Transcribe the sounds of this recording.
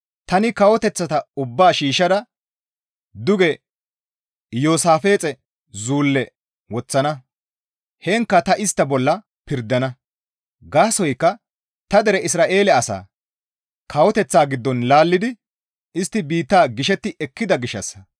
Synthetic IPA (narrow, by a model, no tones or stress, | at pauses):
t̪ɐnɪkɐwɔt̪ɛt͡sːɐt̪ɐʊbːaːʃiːʃɐd̪ɐ | d̪ʊɡɛ | joːsaːfe̞ːt͡sʼɛ | zuːlːɛ | wɔt͡sːɐnɐ | heːŋkːɐt̪ɐʔɪst̪ːɐbɔlːɐ | pɪɾd̪ːɐnɐ | ɡaːsɔjkːɐ | t̪ɐd̪ɛɾɛɪsɾaːʔe̞ːlɛɐsa̰ː | kʰɐwɔt̪ɛt͡sːaːɡɪd̪ːɔnlaːlːɪd̪ɪ | ʔɪst̪ːɪbiːt̪ːaːɡɪʃɛt̪ːɪʔɛkːɪd̪ɐɡɪʃːɐ̰sːɐ̥